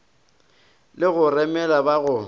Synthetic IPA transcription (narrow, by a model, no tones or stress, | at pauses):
lɪɣʊrɛmɛlabaɣʊ